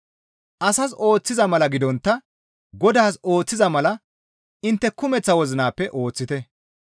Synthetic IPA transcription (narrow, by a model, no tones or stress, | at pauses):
ʔɐsɐs̬o̞ːt͡sːɪzɐmɐlɐɡɪd̪ɔnt̪ːɐ | ɡɔd̪aːso̞ːt͡sːɪzɐmɐlɐ | ɪnt̪ːɛkʊmɛt͡sːɐwɔzɪnaːpːɛʔo̞ːt͡sːɪt̪ɛ